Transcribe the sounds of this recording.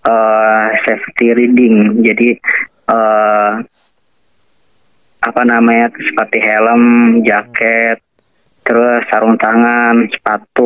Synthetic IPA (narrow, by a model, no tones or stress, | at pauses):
əsɛft̪iɾidɪŋd͡ʒadi | ʔə | apanamaɲasə̥pərt̪iɦeləmd͡ʒakɛt̪̚ː | əɾʊsːaɾuŋt̪aŋansə̥pat̪ʊ